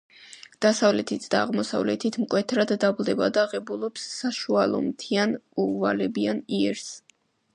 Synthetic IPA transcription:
d̪̥asavlɛt̪ʰit̪ʰd̪̥aːʁmɔsa̰vlɛ̰t̪ʰit̪ʰmkʼwɛt̪ʰɾad̪ːablˠd̪ɛbad̪aːʁɛbulˠɔpsːaʃualˠɔ̰mt̪ʰianuvalɛbianiɛɾs

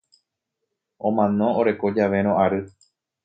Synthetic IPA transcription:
õ̞mãnõ̞oɾe̞ko̞d͡ʒaʋe̞ɾ̃õʔaɾɨ

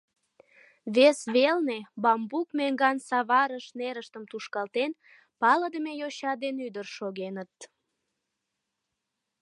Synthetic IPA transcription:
βesβelnebɑmbukmeŋɡɑnsɑβɑɾəʃneɾəʃt̪əmt̪uʃkɑlt̪en | pɑləd̪əmejoɕɑd̪enyd̪ərʃoɣenət̪̚

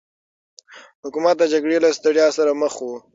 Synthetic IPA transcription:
hʊkumat̪̚d̪əd͡ʒaɡɽelast̪aɽjɑsaɾaməxu

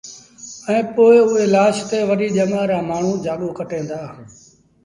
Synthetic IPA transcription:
ɛ̃ːpoːɪʊɦeːlaːʃt̪eːʋəɾiːʄəmaːɾaːmaːɳ̤ũːd͡ʒaːɠoːkəʈẽːnd̪aː

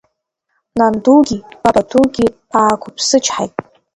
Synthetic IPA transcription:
nanduɡʲiparatʰuɡʲi | aːkʷʰʊpʰsɨt͡ʃʰħa̰jtʼ

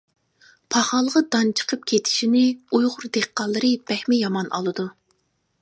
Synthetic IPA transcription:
pʰɑχɑlˠʁɑd̪ɑnt͡ʃʰə̥qʰəp̚kʲʰet̪ʰɪ̥ʃinɪujʁʊɾd̪eqːɑlˠːɨɾɨb̥ɛhmɪjɑmɑnʔɑ̰lˠɨd̪u

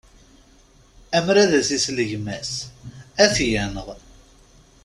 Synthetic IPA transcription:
æmɾæðæsisləʝmæs | æθjænəʁ

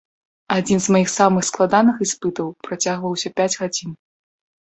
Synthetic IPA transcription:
ad͡zʲinzmajixsamɨxsklˠad̪anɨxispɨt̪ɐwpɾat͡sʲaɣvɐwsʲɐpʲad͡zʲɣad͡zʲin

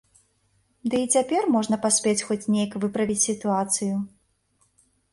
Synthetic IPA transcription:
d̪ɨit͡sʲapʲɛrmɔʐnɐpasʲpʲet͡sʲxɔt͡sʲnʲejɐkvɨpɾɐvʲit͡sʲsʲit̪uat̪sɨju

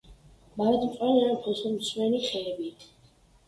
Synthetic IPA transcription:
maɾad̪ʰmq̪ʼalianpʰɔsɔmswɛniχɛːbit̪ʰ

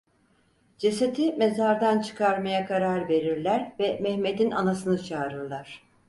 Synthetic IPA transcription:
d͡ʒe̞set̪ʰimezaɾd̪ant͡ʃʰɯ̥kʰaɾmajakʰaɾaɾve̞ɾiɾlʲæɾvɛmɛhme̞d̪inʔanasɯnɯt͡ʃʰaːɾɯɾlˠaɾ̥

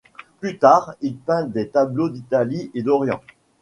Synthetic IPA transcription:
plyt̪aːʁilpɛ̃d̪et̪ablod̪it̪aliʔed̪ɔʁjɑ̰̃

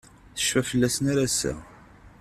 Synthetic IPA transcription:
θə̥ʃfæfəlːæsənaɾasæ̰

